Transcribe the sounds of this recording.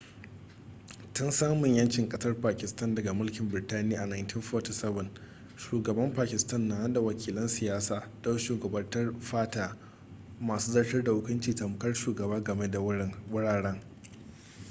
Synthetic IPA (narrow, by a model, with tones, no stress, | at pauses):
tʊ˦nsaː˦mʊ˨ɲjɐ˦nt͡ʃɪ˨ŋkʼɐ˦sɐ˦rpaː˨kʲɪ˨stɐ˦ndɐ˨ɡa˨mʊ˦lkʲɪ˨mbɪ˨ɾtaː˦nɪ˦a˨ʔa˨naː˨jnti˦nɸɔ˦ti˦˨sɛ˦bɐ˨n | ʃuː˨ɡɐ˨bɐ˦mpaː˨kʲɪ˨stɐ˦nːa˨ha˦nda˨wɐ˨kʲiː˨lɐ˦nsɪ˨jaː˦saː˨dɐ˦wʃuː˨ɡɐ˨bɐ˦rtɐ˦rɸaː˦taː˨ | maː˨suː˦zɐ˦rʃɪ˦rda˨hʊ˦kʷʊ˦nt͡ʃiː˨ta˨mʊ˨kɐ˦rʃuː˨ɡɐ˨baː˦ɡɐ˨me˦da˨wʊ˦ɽaː˨ɽɛ˦ŋ